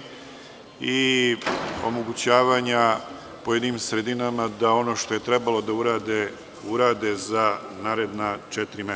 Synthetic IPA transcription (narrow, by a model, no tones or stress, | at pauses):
i | o̞̰mo̞ɡut͡ɕaːʋaːɲa | pojed̪nimsɾe̞d̪inamad̪ao̞no̞ːʃt̪o̞je̞t̪ɾebalo̞d̪auɾaːd̪e | uɾaːd̪e̞zanaːɾed̪nat͡ʃɛt̪ɾime